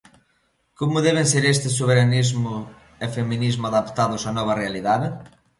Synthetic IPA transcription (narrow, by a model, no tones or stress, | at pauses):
komʊðɛβɪnseɾest̪ɪsoβ̞eɾanizmʊ | efemĩnizmʊaðapt̪aðʊsanɔβ̞ɐrealiðaðɪ